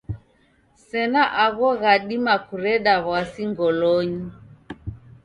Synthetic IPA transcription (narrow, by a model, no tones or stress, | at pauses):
sɛnaʔaɣɔɣaɗimakuɾɛɗaβwasiŋɡɔlɔɲi